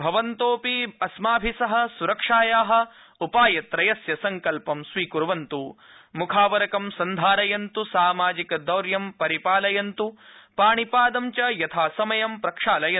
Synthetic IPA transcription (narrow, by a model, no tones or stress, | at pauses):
bʱɐʋɐnt̪oːpiɐsmaːbʱisɐɦɐ̆suɾɐkʂaːjaːɦɐ̆ | upaːjɐt̪ɾɐjɐsjɐsɐŋkɐlpɐmsʋiːkuɾʋɐnt̪u | mukʰaːʋɐɾɐkɐmsɐnd̪ʱaːɾɐjɐnt̪usaːmaːd͡ʒikɐd̪ɐwɾjɐmpɐɾipaːlɐjɐnt̪upaːɳipaːd̪ɐmt͡ʃɐjɐt̪ʰaːsɐmɐjɐmpɾɐkʂaːlɐjɐ